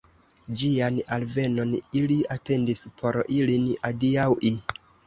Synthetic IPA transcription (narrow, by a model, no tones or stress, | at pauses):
d͡ʒianalve̞no̞niliate̞ndispʰo̞ɾilinadiawʔi